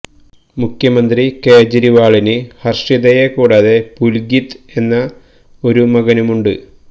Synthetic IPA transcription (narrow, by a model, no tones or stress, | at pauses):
mukʰjɐmɐnd̪rike̞ːd͡ʑɐɾiʋaːɭinɨhɐrʂiðɐjekuːɽaːðepulɡit̪e̞nːɐ | o̞ɾumɐɣɐnumuɳɖɨ